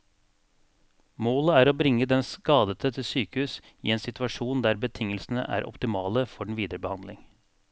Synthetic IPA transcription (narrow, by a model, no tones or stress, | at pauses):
moːləæːɾoːbɾɪŋːəd̪ɛnskɑːd̪ət̪ʰət̪ʰɪsyːkəhʉːs | ḭːeːnsɪt̪ʉɑʂuːnd̪æːɾbət̪ʰɪŋəlsnə̰ʔæ̰ːɾʔɔ̰pt̪ɪmɑːləfɔɖɳ̩ʋiːd̪əɾəbəhɑnd̪lɪŋ